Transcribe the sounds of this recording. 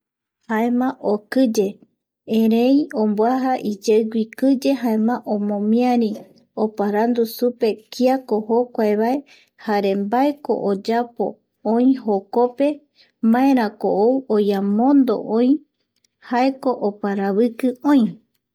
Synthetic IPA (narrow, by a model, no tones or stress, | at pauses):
haemãʔokɨd͡ʒe̞ | ẽɾẽiombwaɦaʔid͡ʒeɡʷikɨd͡ʒe̞ɦaemãʔõmõmĩaɾĩ | opaɾand̪usupe̞kiakohokʷaeβae̞ | haɾe̞mbae̞ko̞̰ʔod͡ʒapo̞̰ | õĩɦokope̞ | mãẽɾãko̰ʔowojamõ̞nd̪o̞̰ʔõj̃ | haeko̞ʔopaɾaβɨkɨõĩ